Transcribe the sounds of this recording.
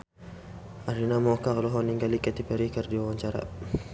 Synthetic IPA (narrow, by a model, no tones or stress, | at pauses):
aɾinamɔkalɔɦɔniŋɡalikɛt̪ipɛɾikərdiwawaɲt͡ʃaɾa̰